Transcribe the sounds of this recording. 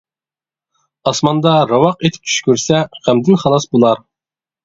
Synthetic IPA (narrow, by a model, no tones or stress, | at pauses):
ɑsmɑnd̪ɑɾɑwɑqet̪ʰɪ̥p̚t͡ʃʰy̥ʃkʲyɾsɛχæmd̪ɪnχɑlˠɑsbolˠɑɾ